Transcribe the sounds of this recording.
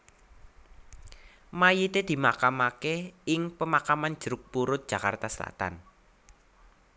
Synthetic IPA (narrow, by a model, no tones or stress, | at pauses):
majit̪ed̪̥i̤makamakeɪŋpəmakamand̥ʒ̥ɾʊk̚puɾʊt̪̚d̥ʒ̥a̤ka̰rt̪asəla̰t̪a̰n